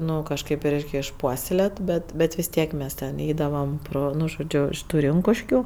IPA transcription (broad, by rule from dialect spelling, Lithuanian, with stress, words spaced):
ˈnʊ kɐʃˈkɐɪp ɪ ˈrʲɛɪkʲ ɪʃˈpuɔsʲɛlʲeːt ˈbʲɛt ˈbʲɛt ʋʲɪs ˈtʲiɛk ˈmʲɛs tʲɛn ˈɛɪdɐʋɐm ˈproː ˈnʊ ʒoːˈd͡ʒʲʊ ɪʃ ˈtuː ˈrʲɪŋkʊʃʲkʲʊ